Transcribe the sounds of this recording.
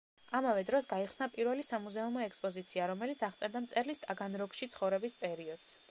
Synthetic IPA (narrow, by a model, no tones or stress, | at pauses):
amavɛd̪ɾɔsɡaiχsnapʼiɾvɛlisamuzɛumɔɛkspʼɔzit̪sʰiaɾɔmɛlit̪sʰaʁt̪sʼɛɾd̪amt̪sʼɛɾlist̪ʼaɡanɾɔkʃit̪sʰχɔvɾɛbispʼɛɾiɔd̪̥s